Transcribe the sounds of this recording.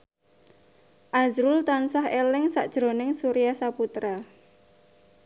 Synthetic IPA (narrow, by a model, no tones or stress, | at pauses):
ʔazɾult̪ansaɦelɪŋsaʔd̥ʒ̥ɾo̤nɪŋsuɾijahsaput̪ɾa